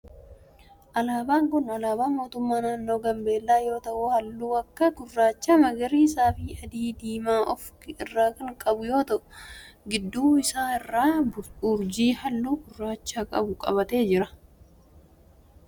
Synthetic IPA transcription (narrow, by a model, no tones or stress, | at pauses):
ʔɐlaːbaːŋkʊnɐlaːbaːnmo̞ːt̪ʊmːaːnaːnːo̞ːɡɐmbe̞ːlːaːjo̞ːt̪ɐʔʊhɐlːuːɐkːɐɡʊrːaːt͡ʃːaːmɐɡɐɾiːɪsaːfiːɐd̪iːd̪iːmaːʔɔfkɪɪrːaːkɐŋkʼɐbʊjo̞ːt̪ɐʔʊɡɪd̪ːuːɪsaːɪrːaːʊɾd͡ʒiːhɐlːuːɡʊrːaːt͡ʃːaːkʼɐ̰bʊkʼɐ̰βɐt̪e̞ːd͡ʒɪɾɐ